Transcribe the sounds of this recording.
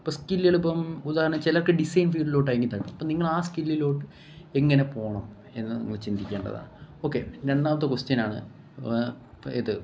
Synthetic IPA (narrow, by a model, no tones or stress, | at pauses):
poːskilːeɭupːɐmud̪aːhɐɾɐnɐt͡ɕelɐkːeɖisɐjnfiːɖilo̞ːʈːajɐŋɡit̪ːɐʈːɐmɐpːoːniŋːɐɭaːskilːilo̞ːʈːɨ | e̞ŋːɐne̞po̞ːɳɐm | e̞nːɨnɐ̰ŋːɐɭt͡ɕind̪ikʲːeːɳɖɐ̰ða̰ːɳɨo̞ːkːeɾe̞ɳɖaːmɐt̪ːɨkust͡ɕɐnaːɳɨ̰ | eðɨ